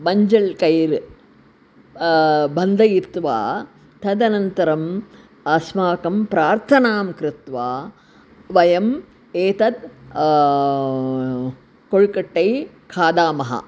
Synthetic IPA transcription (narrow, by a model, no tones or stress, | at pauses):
bɐɲd͡ʒɐɭkɐjɾ | bɐnd̪ʱɐjiɾt̪ʋa̰ː | t̪ʰɐd̪ɐnɐnt̪ɐɾɐm | ɐsmaːkɐmpɾaːɾt̪ʰɐnaːmkɾɪt̪ʋaː | ʋɐjɐm | eːt̪ɐd̪ | koɭkɐʈːɐj | kʰaːd̪aːmɐɦɐ̰